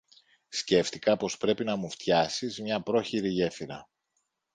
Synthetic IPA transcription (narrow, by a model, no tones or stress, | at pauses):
sce̞ft̪ikɐpo̞spɾe̞pinɐmuft̪çɐsizmɲɐpɾo̞çiɾiʝe̞fiɾɐ